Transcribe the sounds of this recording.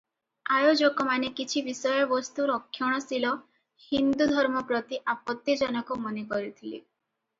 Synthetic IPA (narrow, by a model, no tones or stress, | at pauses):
ajod͡ʒɔkɔmanekit͡ʃʰibisɔjɔbɔst̪uɾɔkʰːjɔɽ̃ɔsilɔ | hind̪ud̪ʱɔɾmɔpɾɔt̪iʔapɔt̪ːid͡ʒɔnɔkɔmɔnekɔɾit̪ʰilḭ